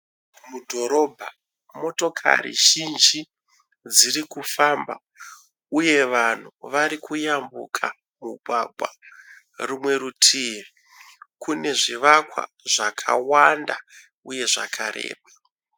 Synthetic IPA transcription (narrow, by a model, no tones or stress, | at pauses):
mudʱo̞ɾo̞bʱa | mo̞to̞kʰa̰rḭʒind͡ʒi | d͡zirikufamba̰ | uje̞ʋan̤uʋaɾikujambṵkʰa | muɡʱwaɡʱwa̰ | rumwe̞ɾutʰiri | kune̞ʐiʋakwa̰ | ʐakʰa̰wanda | uje̞ʐakʰaɾḛːɓa